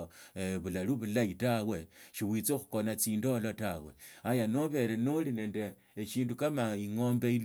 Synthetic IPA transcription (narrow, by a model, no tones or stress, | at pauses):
eβulaluβulaitawe̞ʃiwit͡soxu̥konat͡siːndolotawe̞̰ajanoβe̞ɾenoline̞ːndeː | t͡ʃiːndukamaiŋo̞ːmbeil